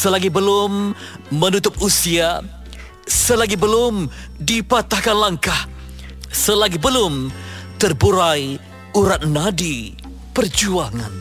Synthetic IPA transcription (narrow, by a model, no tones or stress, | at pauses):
səlaɡibəlʊmːənut̪ʊp̚usia | səlaɡibəlʊm | dipat̪ahkanlaŋkah | səlaɡibəlʊmt̪ərbuɾaj | uɾat̪̚nadi | pərd͡ʒuaŋan